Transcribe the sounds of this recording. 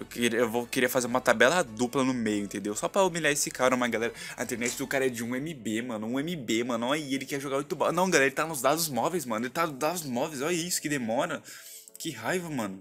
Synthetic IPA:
ewkeɾiewvokeɾiɐfazeɾũmɐt̪abɛlɐd̪uplɐnʊmejʊẽt̪ẽnd̪ewsɔpɾɐomiʎjaɾesɪkaɾɐmɐ̃ɡalɛɾɐɐ̰ĩt̪eɾnɛt͡ʃɪd̪ʊkaɾɐɛd͡ʒɪũẽmibemɐ̃nʊũẽmibemɐ̃nɐ̃ɛielɪkɛʒoɡaʊjut̪ubanɐ̃w̃ɡalɛɾeɪt̪anʊzd̪ad̪ʊzmɔvejzmɐ̃nʊelɪt̪anʊzd̪ad̪ʊzmɔvejzɔʎɐisʊ̥kɪd̪emɔɾɐ | kɪɦajvɐmɐ̃nʊ

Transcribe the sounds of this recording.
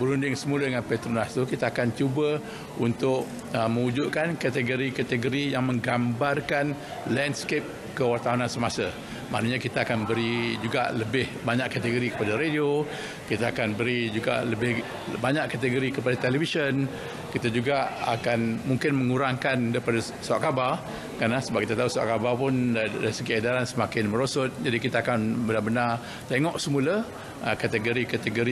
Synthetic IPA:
bəɾundɪŋsəmulədəŋanpɛt̪ɾonast̪ukit̪aːkant͡ʃubə | unt̪ʊʔ | əmə̃ŋud͡ʒuʔ̪̚kankat̪əɡoɾikat̪əɡoɾijaŋmə̃ŋɡambarkan | landskep̚ | kəwart̪awanansəmasa | ma̰ʔnəɲakit̪aːkanbəɾid͡ʒuɡa̰ləbɪhbaɲaʔkːat̪əɡoɾikə̥padaɾedio | kit̪aakanbəɾid͡ʒuɡa̰ləbɪh | baɲaʔkːat̪əɡoɾikəpadat̪ɛlɛfisən | kit̪ad͡ʒuɡaa̰kanmuŋkɪnməŋuɾaŋkandaɾipada | saaʔkabar | kanlahsəbap̚kit̪at̪auswa̰ʔkabarpʊndadaɾisəɡiadaɾansəmakɪnmə̃ɾosʊt̪̚d͡ʒadikit̪aːkanbənabənar | t̪eŋɔʔsəmulə | əkat̪əɡoɾikat̪əɡoɾi

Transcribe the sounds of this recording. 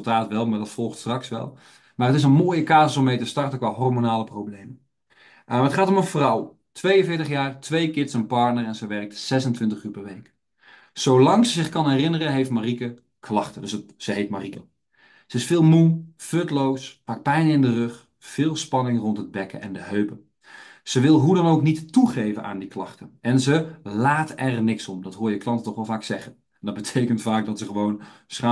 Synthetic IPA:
lˠtaːtʋɛlˠmaːɹdɑtfɔlˠχtstrɑksʋɛ̰lˠ | maːrətɪsənmoːjəkaːzəsɔmːejtəstɑrtəkʋaːɦɔrmonaːləprowblejmə | ətχaːtɔmənvrɑw | tʰʋejənvɪːɹtəχjaːrtʋejkɪtsənpɑɹtnərɛnzəjʋɛrk̚tsɛsəntʋɪntəχyːɹpɛɹʋejk | sowlɑŋsəzɪχkɑnɦɛrɪnərəɦejftmarikə | kʰlɑχtədɵsəsəɦejtmarikə | z̥əɪsfɪːlˠmuføtlowspɑk̚pɛjnəɪndərɵχ | fɪːlˠspɑnɪŋrɔntɦəd̚bɛkə̰ɛ̰ndəɦøɥpə | z̥əʋɪlˠɦudɑnowknittuχejvəna̰ːndiklɑχtəʔɛnzəlaːtɛrnɪksɔmdɑtɦʊːjəklɑntətɔχʋɛlˠvaːksɛχən | ɛndɑd̚bətʰejkəntfaːk̚dɑtsəχəʋownsχa

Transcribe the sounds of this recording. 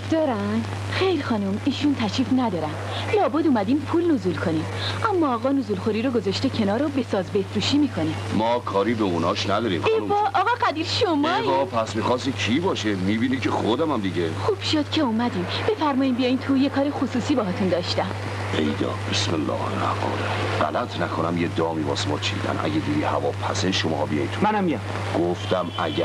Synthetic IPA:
d̪̥ɒːɾæn | xejlxɒːnumiːʃunt̪ʰæʃiːfnæd̪ɒːɾæn | lɒːbud̪umæd̪impʰuːlnozulkʰonimʔæmːɒːɣɒnozulxoɾiːɾoɡozɒʃt̪ecʰe̞nɒːɾobe̞sɒːzbe̞fɾuːʃiːmiːkʰo̞nimɒːkʰɒːɾiːbeunɒːʃnæd̪ɒːɾḭːmxeɒʔːɣɒɣæd̪iɾʃomɒɒpʰæsmixɒsicʰibɒːʃemiːbiːnikʰexod̪æmæmd̪iɟexuːb̥ʃod̪̥cʰe̞umæd̪iːmb̥efæɾmɒːjiːmbijɒjint̪ʰujekʰɒːɾexosuːsiːbɒɦɒːt̪ʰund̪ɒːʃt̪æmʰ | ejd̪ɒ̰ːbesmelːɒ̰ːhelæ̰ɡɒ̰ːɾeɢæ̰læt̪ʰnækʰonæmjed̪ɒːmibɒ̰ːsemɒːt͡ʃʰḭd̪æ̰nʔæ̰ɟed̪iːd̪iːhævɒːpʰæseʃomɒ̰ːhbijɒjnt̪ʰumænæmːijam | ɡ̥oft̪æmæɟæ

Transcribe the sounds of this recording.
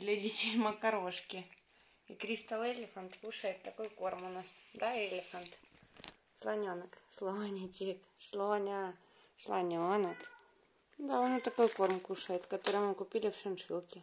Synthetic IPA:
d̪lʲɐdʲitʲɪlʲməkɐɾoʂkʲɪ | ikɾʲist̪əlˠelʲɪfənt̪kuʂəjɪt̪ːɐkojkormʊnasd̪aelʲɪfənt̪ | slˠɐnʲonəkslˠoanʲɪtʲik | ʂlˠonʲa | slˠɐnʲonək | d̪aonot̪ɐkojkormkuʂəjɪt̪kɐt̪oɾəjmɨkʊpʲilʲɪfʂɨnʂɨlˠkʲɪ

